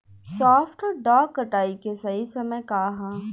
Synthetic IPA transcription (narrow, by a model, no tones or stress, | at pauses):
sɔːfʈɔɾɖɔːkːɐʈaːikesɐɦisɐməjkaːɦãː